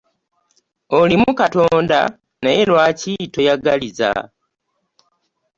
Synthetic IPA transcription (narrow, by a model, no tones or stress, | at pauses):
olimukato̞ːnda̰ | naelwacito̞jaɡaliza̰